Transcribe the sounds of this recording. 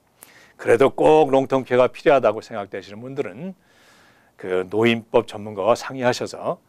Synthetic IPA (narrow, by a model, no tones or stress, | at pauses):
kɯɾe̞dok͈ok̚ɾoŋtʰoŋkʰeɡapʰiɾjoɦadaɡosʰe̞ŋɡak̚t͈weɕʰinɯnbundɯɾɯn | kɯnoinp͈ʌp̚t͡ɕʌmːunɡawasʰaŋiɦaɕʰʌsʰʌ